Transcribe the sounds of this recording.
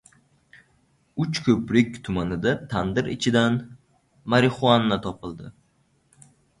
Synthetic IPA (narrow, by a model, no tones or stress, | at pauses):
ʊt͡ʃkʰɵpɾɪk̚ʲt̪ʰʊmanɪd̪at̪ʰand̪ɪɾɪt͡ʃʰɪd̪an | maɾɪχʊanːat̪ʰɒpɪlˠd̪ɪ